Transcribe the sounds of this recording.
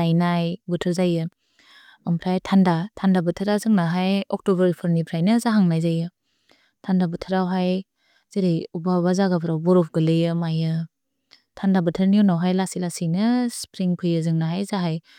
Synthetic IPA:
ajnajbutʰɯɾzajɯ | ampʰɾajtʰandatʰandabɯtʰɯɾazɯŋnaɦajɔk̚tobəɾipʰɯɾnipʰɾajnɯzaɦaŋnajzajɯ | tʰandabɯtʰaɾawɦaj | zeɾejubabazaɡapʰɾawbɔɾɔpʰɡɯlejɯmajɯ | tʰandabɯtʰɯɾniɔnawɦajlasilasinɯspɾiŋpʰɯjɯzɯŋnaɦajzaɦaj

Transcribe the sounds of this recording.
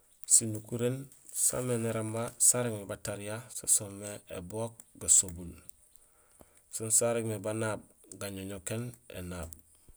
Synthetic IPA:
sinukuɾen | sa̰meneɾamːasaɾekmebataɾijasasomːeḛbok̚ɡasobul | sunsaɾekmebanab̚ɡaɲoɲokenḛnaːb̚

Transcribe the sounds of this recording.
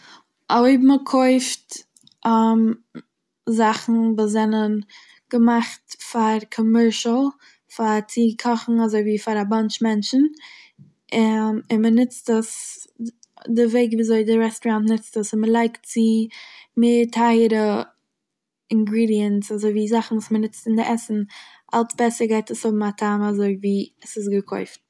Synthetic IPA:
ʔoɪbm̩əkʰoɪft | ʔam | zaχn̩vuːs̬zɛnən | ɡ̥əmaχtfaɾkʰɔmɛɹʃl̩ˠ | faɾt͡sɪkʰɔχn̩azoɪviːfaɾabant͡ʃmɛnt͡ʃn̩ | ɪɪnmənɪt͡stəs | dɪveɪɡviːzoɪdɪɾɛstɾantnɪt͡stəsɪnməlˠaɪkt̚t͡sɪmeːɾtʰaɪəɾə | ɪŋɡɾiːdiəntsazoɪviːzaχn̩vuːsmənɪt͡stɪndɪʔɛsn̩ | ʔalˠsbɛsəɾɡaɪtəshʊbm̩atʰaːmazoɪviːəsɪsɡəkʰɔ̰ɪft

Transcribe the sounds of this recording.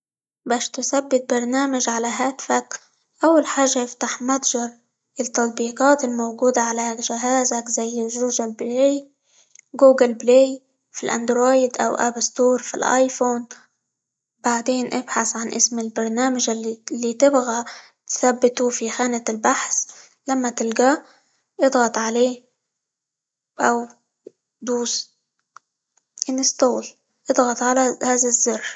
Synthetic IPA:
baːʃt̪ɪθabːɪt̪̚bɑɾˤnaːmaʒʕalaɦaːt̪ɪfak | ʔawːalħaːʒːajɪft̪aħmat̪ˤʒɑɾˤ | ɪt̪ːɑt̪̚ˤbiːqɑːt̪ɪlmowɡuːd̪aʕalaʒɪɦaːzakzajːɪʒuːʒalbleːj | ɡuːɡɪlblej | filʔa̰nd̪ɾoːjɪd̪ʔa̰wʔa̰bst̪uːɾˤfḭlʔa̰ːjfoːn | baʕd̪eːnʔɪbħasʕanʔɪ̰smɪlbɑɾˤnaːmaʒɪlːiːt̪ɪbɣa | t̪θabːɪt̪ufixaːnalbaħs | lamːat̪ɪlɡaː | ʔɨd̪ˤɣɑt̪ˤʕaleː | ʔaw | d̪uːs | ʔɪnɪst̪oːl | ʔɨd̪ˤɣɑt̪ˤʕalahaːðazːɑrː

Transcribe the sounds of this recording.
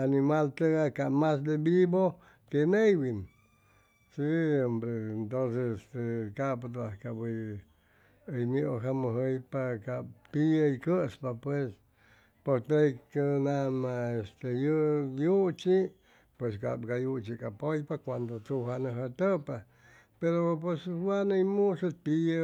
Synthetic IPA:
animalt̪eɡakamas̬d̪ebibo | kenejwin | siombɾeent̪ons̬esest̪ekapat̪̬ahkabəj | əjmioɦaməɦəjpakap̚piəjkəspapwes | poɾt̪ejkənamaest̪ejəjut͡ʃi | pweska̰p̚ɡajut͡ʃikʼapojpakʷand̪ot͡suɦanəɦət̪əpa | peɾop̬weswanəjmusot̪i

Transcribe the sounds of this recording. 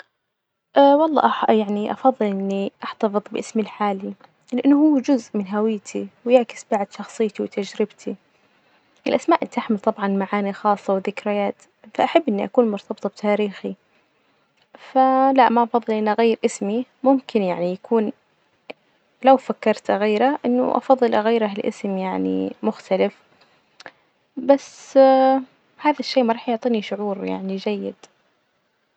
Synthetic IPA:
ʔawɑlˤːɑ̰ːʔjaʕniʔɑfɑðˤːɨlʔɪnːiʔaħt̪ɑfɨðˤbɪʔɪsmilħaːli | lɪʔɪnːʊhʊːd͡ʒʊzʔmɪnɦawɪjːt̪ʰiwjɪʕkɪ̥sbaʕd̪ʃɑxsˤɨjːt̪iwt̪ʰad͡ʒɾɪbt̪ʰi | ʔɪlʔasmaːʔɪnt̪ʔaħmɪlt̪ˤɑbʕɑnmaʕaːnixɑːsˤːɑwɪðɪkɾɪjaːt̪ | faʔaħabːʔɪnːiʔakuːnmʊɾt̪ʰɑbt̪ˤɑbɪ̥t̪ʰaːɾiːxi | falaʔmaʔɑfɑðˤːɨlʔɪnːʔaɣajːɪɾʔɪsmimʊmkɪnjaʕnijakʰuːn | lawfakːɑɾˤt̪ɣaːɾaʔɪnːʊ̰ʔɑ̰fɑðˤːɨlʔaɣaːɾaɦɪlʔɪ̰smjaʕnḭmʊxt̪alɪf | bas | haːðaʃːeːmaɾˤɑːħjʊʕt̪ˤiːniʃʊʕuːɾja̰ʕnid͡ʒajːɪd̪̥

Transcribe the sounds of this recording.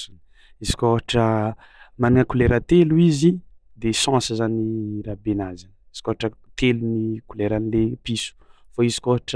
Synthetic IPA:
un | izi̥kʲoɦaʈ͡ʂə | maniŋəkuleɾət̪eluizi | d̪esãsəzaniɾabenazanizi̥koɦaʈ͡ʂət̪elunikuleɾanilepisu̥faizi̥koɦaʈ͡ʂə

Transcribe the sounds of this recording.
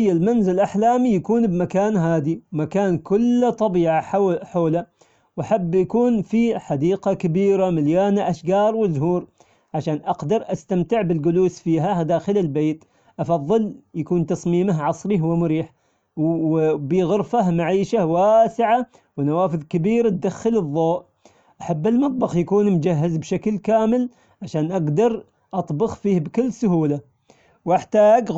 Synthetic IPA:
jːalmanzɪlʔaħlaːmijakuːnbmakaːnɦaːd̪iwmakaːnkʊlːt̪ˤɑbiːʕaħoːla | wʔaħabːjakuːnfiħad̪iːqakabiːɾamɪljaːnaʔaʃɡɑːɾˤwɪzɦuːɾ | ʕaʃaːnʔɑqd̪ɑɾˤʔast̪amt̪ɪʕbɪlɡʊluːsfiːɦad̪aːxɪlɪlbeːt̪ | ʔɑfɑðˤːɨljakuːnt̪ɑsˤmiːmaɦʕɑsˤɾihwmʊɾiːħ | biɣʊɾfamaʕiːʃawaːsɪʕa | wnawaːfɨðˤkabiːɾt̪̚d̪axːɪlɨðˤːoːʔ | ʔaħabːɪlmɑt̪ˤbɑxjakuːnmʊd͡ʒaɦːɪzbʃaklkaːmɪl | ʕaʃaːnʔaɡd̪ɑɾˤ | ʔɑt̪ˤbʊxfiːhbkɪlːsʊɦuːla | wʔɪħt̪aːɡ

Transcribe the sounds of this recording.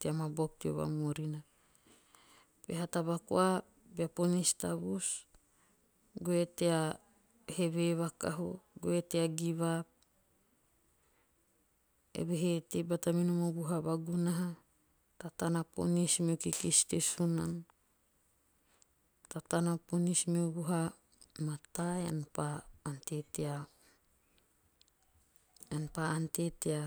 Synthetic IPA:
teamabok̚tio̰βa̰moɾina | beɦataβako̰a | beaponistaβus | ɡoetea | heβeβaka̰ɦuɡoeteaɡiβa | ḛβeɦetebataminomobuɦaβaɡunaɦa | tatanapo̰nismiokikistesunan | tatanaponismiuβuɦa | mataea̰npaːntetea | anpaantetea

